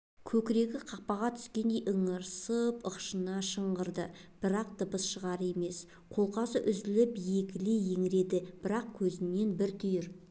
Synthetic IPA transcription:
kʲʰɵkʲɪɾe̞ɡʲɪqʰɑq̚pɑʁɑt̪ʰʏ̥skʲe̞nd̪e̞jʔəɴəɾsəpəqʃənɑʃəɴʁəɾd̪ə | b̥ɪɾɑq̚d̪̥əbəsʃəʁɑɾe̞me̞s | qʰo̞lˠqɑsəʔʏzɪlɪpje̞kʲɪleje̞ŋɪɾe̞d̪ɪb̥ɪɾɑq̚kʲʰɵzɪne̞nbɪɾt̪ʰʏjɪɾ

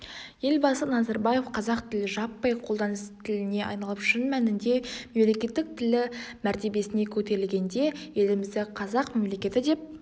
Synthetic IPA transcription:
je̞lbɑsənɑzɑɾbɑje̞fqʰɑzɑqt̪ʰɪlɪʒɑpːɑjqʰolˠd̪ɑnəst̪ʰɪlɪne̞ʔɑ̰jnɑlˠəpʃɪnmænɪnd̪e̞me̞mle̞kʲe̞t̪ːɪk̚t̪ʰɪlɪmæɾt̪e̞be̞sɪne̞kʲʰɵt̪e̞ɾɪlɡʲe̞nd̪e̞je̞lɪmɪzd̪ɪqʰɑzɑqme̞mle̞kʲe̞t̪ɪd̪e̞p̚

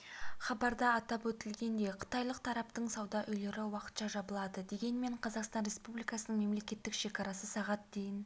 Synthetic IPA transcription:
χɑbɑɾd̪ɑːt̪ɑpwɵt̪ɪlɡʲe̞nd̪e̞qʰə̥t̪ɑjlˠəq̚t̪ʰɑɾɑp̚t̪əɴsɑwd̪ɑʔʏjle̞ɾɪwɑqə̥t̪ʃɑʒɑbəlˠɑd̪əd̪e̞ɡʲe̞nme̞ɴqʰɑzɑqst̪ɑnɾʲe̞spublijkɑsənəɴme̞mle̞kʲe̞t̪ːɪkʃe̞kɑɾɑsəsɑʁɑt̪̚d̪ejɪn

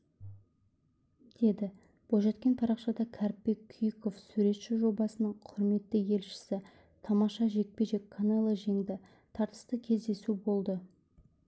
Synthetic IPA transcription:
d̪̥e̞d̪ɪ | b̥oʒɑt̪kʲe̞npʰɑɾɑqʃɑd̪ɑkʲʰæɾp̚ːe̞kʲʰːyjko̞fsʉɾe̞t̪ʃɪʒo̞bɑsənəɴqʰʊɾme̞t̪ːɪje̞lʃɪ̥sɪ | t̪ʰɑmɑʃɑʒe̞k̚peʒe̞kʲkʰːanɑlˠəʒe̞ŋd̪ɪ | t̪ʰɑɾt̪ə̥st̪əkʲʰe̞zd̪e̞subo̞lˠd̪ə

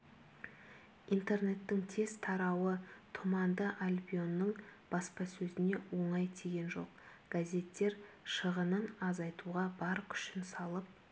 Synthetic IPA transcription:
ijnt̪e̞rne̞t̪ːɪŋt̪ʰe̞z̥t̪ʰɑɾɑwət̪ʰomɑnd̪əʔalʲbʲijo̞nːəɴb̥ɑspɑsɵzɪne̞wo̞ɴɑjt̪ʰeɡʲe̞nʒo̞̰qɡ̥azʲe̞t̪ːe̞ɾʃəʁənənɑzɑjt̪uʁɑbɑɾkʲʰʏ̥ʃɪnsɑlˠəp̚

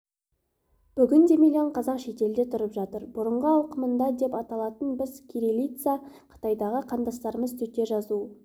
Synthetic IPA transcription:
b̥ʏɡʲɪnd̪e̞milʲioɴqʰɑzɑqʃe̞t̪e̞ld̪e̞t̪ʰʊɾəpʒɑt̪əɾbʊɾəɴʁəɑlˠqəmənd̪ɑd̪e̞pɑt̪ɑlˠɑt̪ənbɪzkʲʰiɾilʲit̪saqʰə̥t̪ɑjd̪ɑʁəqʰɑnd̪ɑst̪ɑɾəməzst̪ʰɵt̪ːe̞ʒɑzu

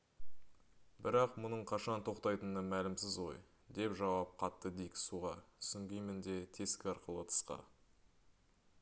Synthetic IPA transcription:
bɪɾɑqmʊnəɴqʰɑʃɑnt̪ʰo̞qt̪ɑjt̪ənəmælɪmsɪzʁo̞̰j | d̪e̞pʒɑwɑp̚qʰɑt̪ːəd̪ejkʲsuʁɑsʏŋɡʲijmɪnd̪e̞t̪ʰe̞skʲɪɑɾqəlˠət̪ʰə̥sqɑ̰

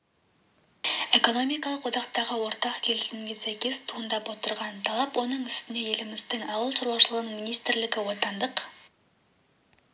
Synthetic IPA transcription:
e̞ko̞no̞mijkɑlˠəqwo̞d̪ɑqt̪ɑʁəwo̞ɾt̪ɑqkʲʰe̞lɪsɪmɡʲe̞sæjkʲe̞st̪ʰuənd̪ɑpwo̞t̪əɾʁɑnt̪ʰɑlˠɑpwo̞nəɴʏst̪ɪne̞je̞lɪmɪzd̪ɪŋɑwəlˠʃəɾwɑʃəlˠəʁənəɴminijst̪ɪɾlɪɡʲɪwo̞t̪ɑnd̪əq

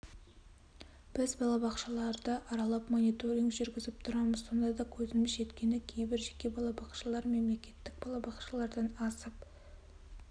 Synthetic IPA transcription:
b̥ɪzbɑlˠɑbɑqʃɑlˠɑɾd̪əʔɑɾɑlˠɑpmonijt̪o̞ɾʲiŋʒʏɾɡʲɪzɪp̚t̪ʰʊɾɑməzso̞nd̪ɑd̪ɑkʲʰɵzɪmɪʃʒe̞t̪kʲe̞nɪkʲʰe̞jbɪɾʒe̞kʲe̞bɑlˠɑbɑqʃɑlˠɑɾme̞mle̞kʲe̞t̪ːɪk̚bɑlˠɑbɑqʃɑlˠɑɾd̪ɑnɑsəp

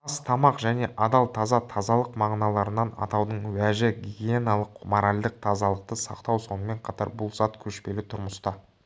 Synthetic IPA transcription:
ɑst̪ʰɑmɑqʒæne̞ʔɑd̪ɑlˠt̪ʰɑzɑt̪ʰɑzɑlˠəqmɑʁnɑlˠɑɾənɑnɑ̰t̪ɑwd̪əɴwæʒɪɡʲiɡʲienalˠəqmoɾalʲd̪əq̚t̪ʰɑzɑlˠəq̚t̪əsɑqt̪ɑwso̞nəme̞ɴqʰɑt̪ɑ̰ɾbʊlˠzɑt̪kʲʰɵʃpe̞lɪt̪ʰʊɾməst̪ɑ

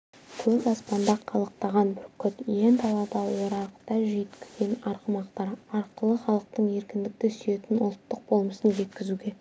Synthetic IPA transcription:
kʲʰɵzɑspɑnd̪ɑqʰɑlˠəq̚t̪ɑʁɑnbɪɾkʲʰʏt̪je̞nt̪ʰɑlˠɑt̪ɑlˠwoɾɑɾəqt̪ɑʒijɪt̪kʲɪzɡʲe̞nɑɾqəmɑqt̪ɑɾɑɾqəlˠəχɑlˠəq̚t̪əɴe̞ɾkʲɪnd̪ɪk̚t̪ɪsyje̞t̪ɪnʊlˠt̪ːəq̚bo̞lˠməsənʒe̞t̪̚kʲɪzuɡʲe̞

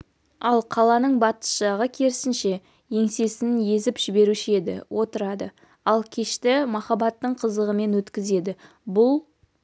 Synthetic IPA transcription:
ɑlˠqʰɑlˠɑnəɴbɑt̪ə̥ʃɑʁəkʲʰe̞ɾɪsɪnʃe̞ | je̞ŋse̞sɪnje̞zɪpʒ̥ɪbe̞ɾuʃɪe̞d̪ɪ̰wʔo̞t̪əɾɑd̪ə | ɑlˠkʲʰe̞ʃt̪ɪmɑχɑbɑt̪ːəɴqʰəzəʁəme̞nwɵt̪kʲɪze̞d̪ɪ | bʊlˠ

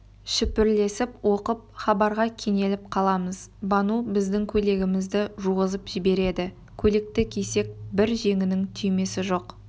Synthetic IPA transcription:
ʃɪpɪɾle̞sɪpwʔo̞qəp̚χɑbɑɾʁɑkʲʰe̞ŋe̞lɪp̚qʰɑlˠɑməzbɑnubɪzd̪ɪŋkʲʰɵle̞ɡʲɪmɪzd̪ɪʒuʁəzəpʒ̥ɪbe̞ɾe̞d̪ɪ | kʲʰɵle̞k̚t̪ɪkʲʰese̞k̚bɪɾʒe̞ŋʲɪnɪŋt̪ʰʏjme̞sɪʒo̞q

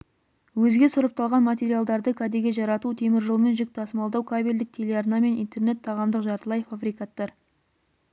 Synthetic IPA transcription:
wɵzɡʲe̞sʊɾəp̚t̪ʰɑlˠʁɑnmat̪ʲe̞ɾijalˠd̪ɑɾd̪əkʲʰad̪eɡʲe̞ʒɑɾɑt̪ut̪ʰe̞mɪɾʒəlˠme̞nʒɪk̚t̪ɑsəmɑlˠd̪ɑwkʰabʲeld̪ɪk̚t̪ʰe̞le̞arnɑme̞nijnt̪e̞rne̞t̪ʰːɑʁɑmd̪əqʒɑɾt̪əlˠɑjfabɾijkat̪ːɑɾ

